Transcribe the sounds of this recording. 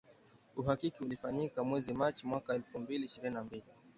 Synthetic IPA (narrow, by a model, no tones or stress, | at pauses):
uhakikiulifaɲikamwɛzimat͡ʃimwakaɛlfumbiliːʃiɾininambili